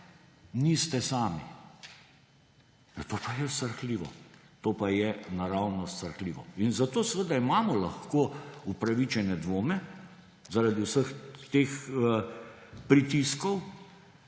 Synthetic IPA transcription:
nist̪ɛsaːmi | t̪oːpajɛst̪əɾxliːʋɔ̰ | t̪oːpajɛnaɾawnɔst̪əɾxliːʋɔ̰inzat̪oːsʋəd̪aimaːmɔlaxkoːupɾaʋit͡ʃɛnɛd̪ʋoːmɛ | zaɾad̪iwsəxt̪eːx | pɾit̪iskɔw

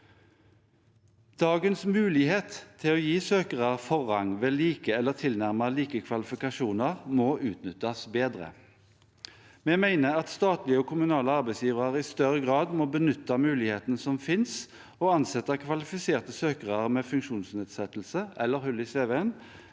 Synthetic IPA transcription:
d̪̥ɑːɡənsmʉːlɪheːt̪tʰːɪloːjiːsøːkəʁəʁfɔʁɑŋʋɛliːkəɛlːəʁt̪ʰɪlnæʁməliːkəkʰʋɑlɪfɪkɑʃuːnəʁmɔʔʉːt̪nʏt̪ːɑsbeːd̪ʁə̰ | mɛmæɪnəʁɑt̪st̪ɑːt̪lɪəɔːkʰʊmʉnɑːləɑʁbæɪsjiːʋʁɑʁɪst̪œʁəɡʁɑːd̪mɔbənʏt̪ːɑmʉːlɪheːt̪nsɔmfɪns | ɔːɑnsɛt̪ːɑkʰʋɑlɪfɪseːʁt̪əsøːkəʁəʁmeːfʉŋkʃuːnsneːd̪sɛt̪l̩səʔɛlːəʁhʉlɪseːʋeɛn

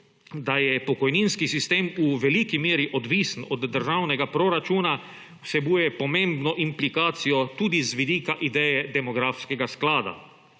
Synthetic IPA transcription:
d̪ajɛpɔkɔjniːnskisist̪eːmuʋɛlikimeːɾiʔɔd̪ʋiːsnɔd̪ːəɾʒawnɛɡapɾoɾat͡ʃuːna | wsɛbuːjɛpɔmẽmbnɔʔimplikaːt̪sijɔt̪uːd̪izʋid̪iːkaʔid̪ɛːjɛd̪ɛmɔɡɾaːfskɛɡasklaːd̪a̰

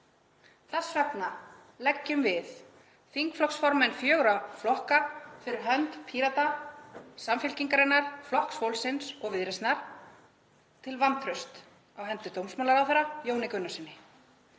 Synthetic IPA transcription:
θɛsvɛpna | lɛcːʏmvɪð | fiŋkflɔksfɔɾmɛnfjœːɣɾaflɔhkafɪɾɪɾɦœnt̪pʰiɾat̪a | samfɪlciŋkaɾɪnːaɾ̥flɔhksfowlsɪnsɔɣvɪðɾɛst̪naɾ̥ | t̪ʰɪlvant̪ʰɾʏst̪ | awɦɛnt̪ʏt̪owmsmaːlaɾawθaɾːajoːwnɪkʏnːasɪnːɪ

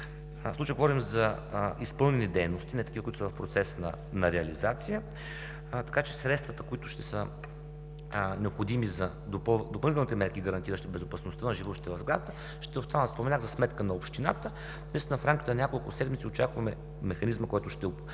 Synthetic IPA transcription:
slˠut͡ʃəjəɡovɔɾimzɐ | ispɤlˠnɛnid̪ɛjnost̪inɛt̪ɐkivəkuit̪ʊsvɐfpɾot̪sɛsnɐ̰ | nɐɾɛɐlizat̪sijə | t̪ɐ̥kat͡ʃɛsɾɛt̪st̪vɐt̪əkoit̪ʊ̥ʃt̪ɛsə | nɛopxod̪imizɐ | d̪opd̪opɐlˠnit̪ɛlˠnit̪ɛmɛɾkʲiɡəɾɐnt̪iɾəʃt̪ibɛzopɐsnost̪ənɐʒivɔʃt̪it̪əvɐvzɡlʲa̰d̪t̪ə | ʃt̪ɛost̪anəspomɛnʲaɣzɐsmɛt̪kənɐopʃt̪ina̰t̪ə | nĩst̪ʲnəfɾamkʲit̪ɛnɐnʲakolˠkʊsɛd̪mit̪iot͡ʃakvɐmɛ | mɛxɐnizməkɔjt̪ʊʃt̪ɛ

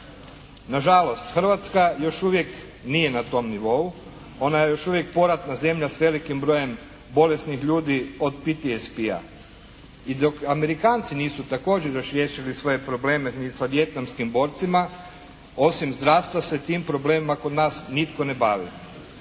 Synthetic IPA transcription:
naʒalo̞st̪xər̩ɾʋat̪skajo̞ʃuʋjek | nije̞nat̪o̞mniʋo̞u | onajejo̞ʃuʋje̞k̚po̞ɾat̪naze̞mʎasʋe̞likimbɾo̞je̞m | bo̞le̞st̪nixʎuːd̪io̞d̪pit̪iespia̰ | id̪o̞kame̞ɾikaːnt̪siniːsut̪ako̞ːd͡ʑeɾjoʃɾjeʃilisʋo̞je̞pɾo̞bleːmenisaʋje̞t̪namskimbo̞ːɾt̪sima | o̞simzd̪ɾaːʋst̪ʋase̞t̪iːmpɾo̞bleːmimakod̪naːsnit̪ko̞nebaːʋḭ

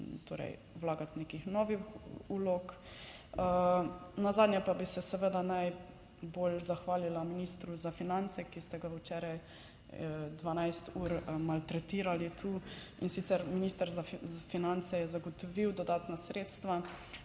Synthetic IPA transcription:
t̪ʰo̰ːɾɛ̰j | wlaːɡat̪neːkixnɔʋixuloːk | ənazaːd̪njɛpabisɛsɛʋəd̪anaj | boːlzaxʋaːlilaminiːst̪ɾuzafinant̪sɛkist̪ɛɡaət͡ʃɛɾaj | d̪ʋanajst̪uːɾmalt̪ɾɛt̪iːɾalit̪ʰu | insit̪sɛɾminist̪əɾzafinant̪sɛjɛzaɡɔt̪ɔʋiwd̪ɔd̪aːt̪nasɾeːt̪st̪ʋa

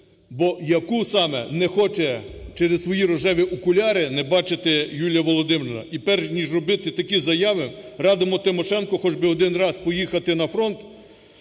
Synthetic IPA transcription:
bɔjɐkusɑmɛ̰nɛxɔt͡ʃɛt͡ʃɛɾessʋɔjiɾɔʒɛʋʲiʔʊkʊlʲɑɾɪnɛbɑt͡ʃet̪ɛjulʲjɐʋɔlˠɔd̪ɪmɾɪnɐ̰ipɛrʒnʲiʒrɔbɪt̪ɪt̪ɐkʲizɐjɑʋɪrɑd̪omɔt̪ɪmɔʃɛnkɔxɔd͡ʒbɪɔd̪ɪnrɑspɔjixɐt̪ɪnɐfɾɔnt̪

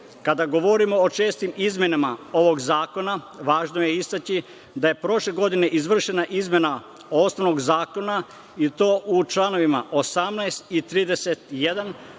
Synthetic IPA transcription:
kad̪aɡo̞ʋoɾimo̞ot͡ʃe̞ːst̪imizmje̞namao̞ʋo̞ɡzaːko̞naʋaːʒnoje̞ist̪at͡ɕi | d̪aje̞pɾo̞ʃle̞ɡo̞d̪ine̞ʔizʋr̩ʃe̞naʔizmje̞na | o̞snoʋnoɡzaːko̞na | it̪o̞ːʔut͡ʃlano̞ʋimaʔo̞samnajst̪it̪ɾiːd̪e̞se̞t̪jed̪an

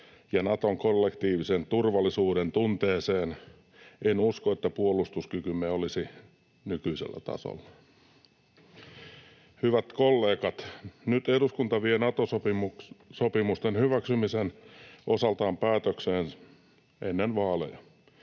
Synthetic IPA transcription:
jɑnɑt̪oŋkolːekt̪iːʋisent̪urʋɑlːisuːɾent̪unt̪eːseːn | enuskoet̪ːæpuolust̪uskykymeolisi | nykyisḛlːæ̰t̪ɑ̰so̰lːɑ | hyʋæt̪kolːeːkɑt̪nyt̪eɾuskunt̪ɑʋienɑt̪osopimusopimust̪enhyʋæksymisenʔosɑlt̪ɑːmpæːt̪økseːn | ʔenːenʋɑːlḛjɑ

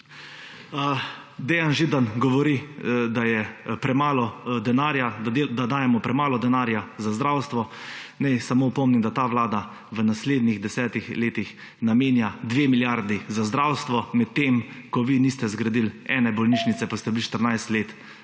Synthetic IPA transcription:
ə | d̪eːjanʒid̪anɡɔʋɔɾid̪ajɛpɾɛmaːlɔd̪ɛnaːɾjad̪ad̪aːjɛmɔpɾɛmaːlɔd̪ɛnaːɾjazazd̪ɾawst̪ʋɔnɛjsamoːpɔmnimd̪at̪aːʋlaːd̪a | ʋənasleːd̪niɣd̪ɛsɛːt̪ixleːt̪ix | nameːnjad̪ʋeːmiljaɾd̪izazd̪ɾawst̪ʋɔmɛt̪ːeːmkɔʋinist̪ɛzɡɾad̪ilɛ̰ːnɛbɔlniːʃnit̪sɛpast̪ɛbiliʃt̪əɾnajst̪leːt̪

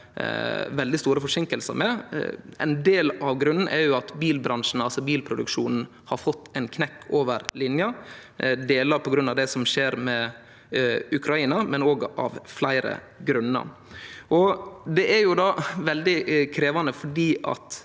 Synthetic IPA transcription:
ʋɛld̪ɪst̪uːɾəfɔʂɪŋkəlsə̰mɛɛ̰nd̪eːlɑʋɡɾʉnn̩ʔɛɾjʊɑt̪biːlbɾɑnʂn̩ɑlsɔbiːlpʰɾʊd̪ʉ̰kʂuːnn̩ | hɑɾfɔt̪ːɛɪnkʰnɛkːoːʋəɾlɪnjə | d̪eːlɑɾpʰɔɡɾʉnːɑʋd̪ɛsɔmʂeːɾmɛ | ʉkʰɾɑiːnɑmɛnoːɡɑ̰ʋflæɪɾə̰ | ɡɾʉnːə̰ | ʔɔd̪ɛʔæɾjʊd̪ɑːʋɛld̪ɪkʰɾeːʋɑnəfɔɖiːʔɑ̰t̪

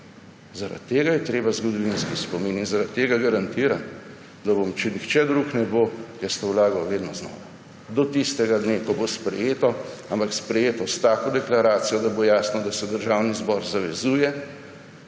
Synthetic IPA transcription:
zaɾa̰t̪ːeːɡajɛt̪ɾeːbazɡɔd̪ɔʋinskispɔmininzaɾat̪ːeːɡaɡaɾant̪iːɾan | d̪abomt͡ʃɛnixt͡ʃɛd̪ɾuːknɛbojɛst̪ɐwlaːɡawʋeːd̪nɔznɔ̰ːʋa | d̪ɔt̪ist̪ɛɡad̪neːkɔbospɾɛjeːt̪ɔampakspɾɛjeːt̪ɔst̪aːkod̪ɛklaɾaːt̪sijɔd̪abojaːsnɔd̪asɛd̪əɾʒaːwnizbɔːɾzaʋɛzuːjɛ

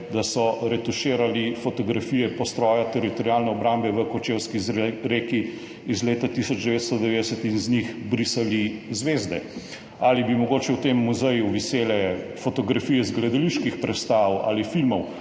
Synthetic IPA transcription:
d̪asɔɾɛt̪uʃeːɾalifɔt̪ɔɡɾafijɛpɔst̪ɾɔːjat̪ɛɾit̪ɔɾjaːlnɛɔbɾambɛʋəkɔt͡ʃewskiɾeːki | izleːt̪at̪isɔd͡ʒd̪ɛʋeːt̪st̪ɔd̪ɛʋeːd̪ɛsət̪inznixbɾisalizʋeːzd̪ɛ | aːlibimɔɡoːt͡ʃɛwt̪emːuzɛjuʋiseːlɛfot̪ɔɡɾafijɛzɡlɛd̪ɐliʃkixpɾɛt̪st̪awa̰lifilmɔw

